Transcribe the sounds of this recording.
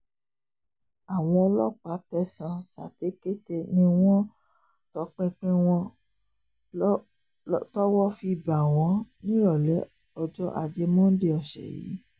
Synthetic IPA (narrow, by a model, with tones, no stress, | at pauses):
a˨w̃ɔ̃˧ɔ˧lɔ˦˨k͡pa˨˦tɛ˦sã˧sa̰˨te˨˦ke˦te˧nĩ˦w̃ɔ̃˦ | tɔ˨˦k͡pẽ˧k͡pẽ˦w̃ɔ̃˧ | tɔ˦wɔ˦fi˧i˨ba˨w̃ɔ̃˨˧˦nĩ˦ɾɔ˦˨lɛ˨˦ | ɔ˧d͡ʒɔ˦ʔa˧d͡ʒe˧mõ˦n̩˦de˧˦ɔ˧ʃɛ̰˨jḭ˨˦